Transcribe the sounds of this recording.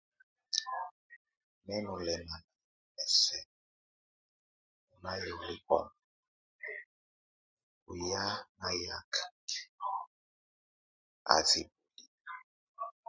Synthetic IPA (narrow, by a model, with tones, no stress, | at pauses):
nɛ˦nʊ˨lɛ˨na˨na˨mɛ˨sɛ˦˨ | ʊ˨na˦jɛ˨lʊ˦bɔ̰˨na˨ | ʊ̰˨ja˦na˦ja˦kʰḁ˨k | a̰˨zi˨bu˨li˨